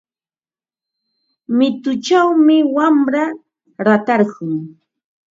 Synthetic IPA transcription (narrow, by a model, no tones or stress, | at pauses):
mɪt̪ʊt͡ʃawmɪwamɾa | ɾat̪ɑɾɢʊŋ